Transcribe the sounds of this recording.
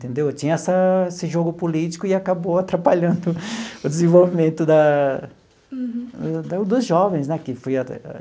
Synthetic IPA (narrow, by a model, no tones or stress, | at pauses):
ẽt̪ẽnd̪ewt͡ʃĩɲɐɛsɐesɪʒoɡʊpolit͡ʃi̥kʊɪakaboat̪ɾapaʎɐ̃nd̪ʊʊd̪ezẽvowvimẽnt̪ʊd̪ɐ | d̪d̪ʊzʒɔvẽj̃snɛkɪfojɐ